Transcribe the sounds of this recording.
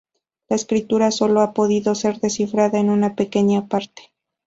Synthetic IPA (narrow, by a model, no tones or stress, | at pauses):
laeskɾit̪uɾaso̞lo̞apo̞ðiðo̞se̞ɾðe̞sifɾaðaenunape̞ke̞ɲapaɾt̪e̥